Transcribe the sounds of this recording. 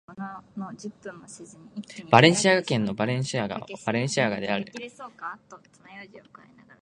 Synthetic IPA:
ononod͡ʑɨpːɯ̃mːoɕizɨmʲib̥aɾẽ̞ɰ̃ɕiaɡakẽ̞nːo̞baɾẽ̞ɰ̃ɕiaɡa̰b̥aɾẽ̞ɰ̃ɕiaɡad̪eaɾɯ̟ɾesoːkat̪ːot̪onajoʑiokainaɡaɾ

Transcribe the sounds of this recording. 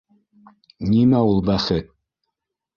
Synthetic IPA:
nimæulˠbæχɘt̪̚

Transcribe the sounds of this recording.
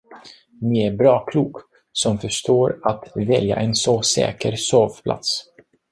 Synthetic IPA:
nɪæɾbɾɑːkʰluːk | sɔmfœʂʈoːɾat̪vɛlja̰ʔɛnsɔsɛ̰ːkəɾsoːvpʰla̰t̪s

